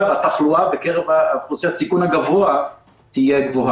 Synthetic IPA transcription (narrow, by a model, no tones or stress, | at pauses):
at̪aχluabekeʁevaafuʁseat͡sikunhaɡavoa | t̪ijeɡvoɦa